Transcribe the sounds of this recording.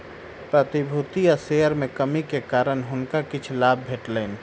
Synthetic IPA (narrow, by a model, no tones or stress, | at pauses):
pɾət̪ibʱut̪iaseəɾmekəmikekaɾənɦʊnkakit͡ʃʰlab̚ʱbʱeʈlən